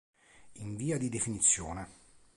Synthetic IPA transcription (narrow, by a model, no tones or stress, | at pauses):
iɱviːad̪id̪efinit̪sːjoːne